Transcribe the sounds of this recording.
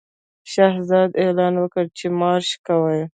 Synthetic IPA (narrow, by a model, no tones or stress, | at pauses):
ʃahzɑd̪elɑnwəkəɽt͡ʃemɑɾʃkawaj